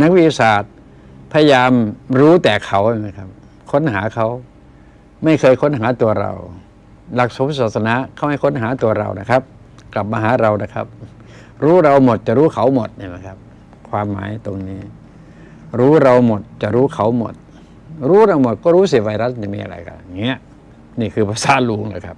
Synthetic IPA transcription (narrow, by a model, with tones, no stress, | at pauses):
na˧˥k̚wi˦t̪ːi˧˩saː˨˩t̪̚ | pʰa˧ja˧jaː˧mɾuː˦˥t̪ɛː˨˩kʰa˨˩˦wha˧˩jma˦˥jkʰa˦˥p̚ | kʰo˧˥˨nɦaː˩˦kʰa˦˥w | ma˥˩jkʰɤː˧jkʰo˧˥˨nɦaː˨˩˦t̪u˧ɐɾa̰˧w | la˨˧˩k̚so˨˦msaː˨˩t̪̚sa˧na˧˥kʰa˧˦˩wha˧˩jkʰo˧˥˨nɦaː˨˩˦t̪u˧ɐɾa̰˧wna˧˩kʰa˦˥p̚ | kla˨˩p̚maː˧ɦaː˨˦ɾa˧wna˧˩kʰa̰˦˥p̚ | ɾuː˦˥ɾa˧wmo˨˩t̪̚t͡ɕa˨ʔɾuː˦˥kʰa˨˦wmo˨˩t̪̚na˧˩jma˧˦˥kʰa˦˥p̚ | kʰwaː˧mːa̰ː˨˦jt̪o˧ŋniː˦˧˥ | ɾuː˦˥ɾa˧wmo˨˩t̪̚t͡ɕa˨˩ʔɾuː˦˥kʰa˨˩˦wmo̰˨˩t̪̚ | ɾuː˦˥ɾa˧wmo˨˩t̪̚kɔː˧˩ɾuː˦˥s̬i˧˦ʋa˧jɾa˧˥st͡ɕa˧˨miː˧a̰˧ɾa̰˧jka̰˧˨ŋi˦˧˦ | niː˧˩kʰɯː˧pʰaː˧saː˨˦luː˧˩ŋlaː˧˩jkʰa˦˥p̚